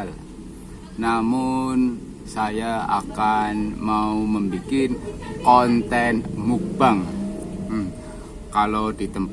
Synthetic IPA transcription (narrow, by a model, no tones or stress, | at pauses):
l | namʊn | sajaa̰kanmauməmbikɪnkɔnt̪ɛnmuk̚b̥aŋ | kalodit̪əmp